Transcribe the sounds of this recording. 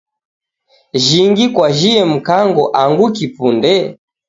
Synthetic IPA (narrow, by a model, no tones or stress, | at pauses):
ʒiŋɡikwaʒiɛm̩kaŋɡɔʔaŋɡukipundɛ